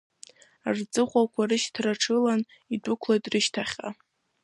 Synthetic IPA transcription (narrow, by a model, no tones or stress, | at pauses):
rt͡sʼɨχʷakʷʰarɨʃtʰraʈ͡ʂʰɨlan | idʊkʷʰlajtʼrɨʃtʰaχʲa̰